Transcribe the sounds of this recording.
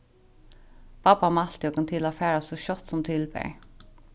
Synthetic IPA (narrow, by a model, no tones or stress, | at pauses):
papamal̥t̪jɔkənt̪ʰɪlafɛːɹasɔɕɔt̪sɔmt̪ʰɪlbɛ̰ɹ